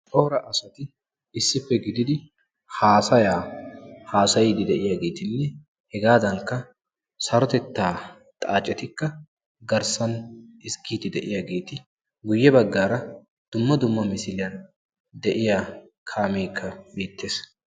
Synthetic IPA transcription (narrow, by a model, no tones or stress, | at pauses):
t͡ʃʼoːɾɐʔɐsɐt̪ɪ | ɪsːɪpːɛɡɪd̪ɪd̪ɪ | haːsɐjaːhaːsɐjɪd̪ɪd̪ɛʔɪjaɡe̞ːt̪ɪnːɛ | hɛɡaːd̪ɐŋkːɐ | sɐɾɔt̪ɛt̪ːaː | t̪ʼaːt͡ʃʼːɛt̪ɪkːɐ | ɡɐɾsɐnɪsɡiːt̪ɪd̪ɛʔɪjaɡe̞ːt̪ɪ | ɡʊjːɛbɐɡːaːɾɐ | d̪̥ʊmːɐd̪ʊmːɐmɪsɪlɪjɐn | d̪ɛʔɪjaː | kʰaːmeːkʰːɐbiːt̪ːe̞ːs